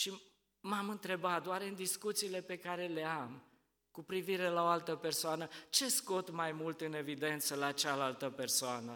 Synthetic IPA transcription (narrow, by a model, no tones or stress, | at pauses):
ʃi | mamɨnt̪ɾe̞bat̪̚d̪oaɾeɨnd̪iskut̪siːle̞pe̞kaɾe̞le̞am | kupɾiviɾe̞laoalt̪əpe̞rsoanət͡ʃe̞sko̞t̪majmult̪ɨne̞vid̪e̞nt̪səlaːt͡ʃalalt̪əpe̞rsoanə